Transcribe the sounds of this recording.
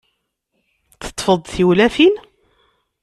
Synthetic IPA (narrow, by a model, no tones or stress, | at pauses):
θə̥t̪ˤːfəðˤθiwlæfin